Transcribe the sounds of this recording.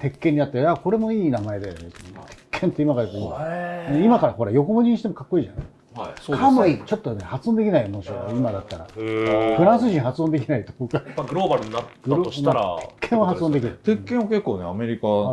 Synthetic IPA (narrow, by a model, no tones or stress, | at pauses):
t̪e̞kːẽɲ̟ːinat̪ːajako̞ɾe̞mo̞iːnamae̞d̪ajonet̪ont̪ʰe̥kːẽ̞nt̪ːimakaɾesoĩ | imakaɾaho̞ɾajo̞ko̞moɲʲiɲĩɕi̥t̪emkakːo̞iːʑa̰na̰i | soamait͡ɕo̞t̪ːonehat͡sɨzõnd̪e̞kʲinaimoɕiaimad̪at̪ːaɾa̰pɯ̟ɾãɰ̃s̬ɨʑĩɰ̃ɦat͡sɨond̪e̞kʲinait̪ookaɡɯɾobaɾɯaɡɯɾoaɾaekːẽahat͡sɨõnd̪ek̬ʲiɾɯt̪ekːẽake̞kːoːneame̞ɾʲika